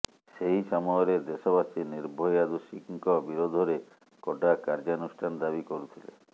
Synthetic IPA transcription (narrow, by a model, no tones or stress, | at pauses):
ʃeɦiʃɔmɔjɔɾed̪eʃɔbasiniɾbʱɔjad̪uʃikŋkɔbiɾod̪ʱɔɾe | kɔʈakaɾd͡ʒanusʈʰanɔd̪abikoɾut̪ʰilḛ